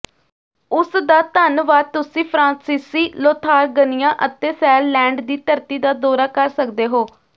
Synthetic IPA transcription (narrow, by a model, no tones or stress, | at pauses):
ʊsd̪aːt̪ənʋaːt̪ʊsĩːpʰɾãːsɪsiːloːt̪ʰaːɾɡənɪjãːʔət̪eːsɛːlːɛ̃ːɳɖd̪iːt̪əɾt̪iːd̪aːd̪oːɾaːkəɾsəkd̪eːɦoː